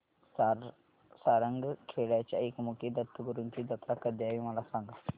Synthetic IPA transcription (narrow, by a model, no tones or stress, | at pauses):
saɾəŋɡkʰeɭjat͡ɕja̰ekmukid̪ət̪ːəɡəɾunkid̪ət̪ɾakəd̪jaʋiməlasãŋɡa